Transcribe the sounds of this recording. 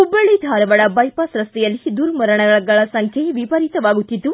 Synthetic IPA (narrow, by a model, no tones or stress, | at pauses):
ubɐɭːid̪ʱaːɾɐʋɐɽɐbɐjpɐsɾɐst̪ɛjɐlːid̪uɾmɐɾɐɳɐɡɐɭɐɡɐɭɐsɐŋkʰjeʋipɐɾit̪ɐʋaːɡut̪ːit̪ːu